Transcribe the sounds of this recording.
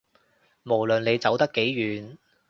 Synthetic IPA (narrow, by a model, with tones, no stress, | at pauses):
mo˨˩wlɵ˨nle˨˧jt͡sɐ˨˥wt̪ɐ˥kːe˨˥jːyː˨˧n